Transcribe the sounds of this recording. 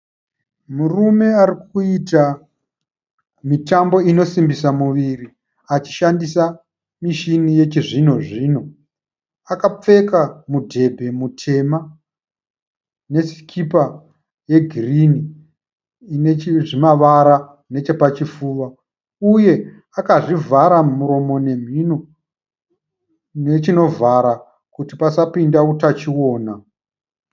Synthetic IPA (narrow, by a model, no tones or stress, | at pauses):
murume̞aɾik̚uita | mitambo̞ino̞simbisamuʋiri | at͡ʃi̥ʃandisa | miʃinije̞t͡ʃiʐino̞ʐiːno̞ | akap͡fe̞kamudʱe̞bʱe̞mutʰe̞ma | ne̞si̥kʰipa | je̞ɡʱirini | neiʐimaʋaɾa | ne̞t͡ʃe̞pat͡ʃifuːʋa | uje̞ | akaʐivʱaɾamuɾo̞mo̞ne̞m̤ino | ne̞t͡ʃino̞vʱaɾa | kutipasapindautat͡ʃiwo̞ːna